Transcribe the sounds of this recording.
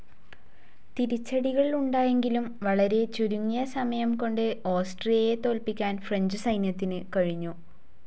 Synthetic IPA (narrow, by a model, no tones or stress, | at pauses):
t̪iɾit͡ɕːɐɽiɣɐɭiluɳɖaːje̞ŋɡilumʋɐɭɐɾe̞t͡ɕuɾuŋːijɐsɐmɐjɐmko̞ɳɖɨo̞ːsʈrijɐjet̪o̞ːlpikʲːaːnfreɲd͡ʑɨsɐjnjɐt̪ːinɨkɐɻiɲːu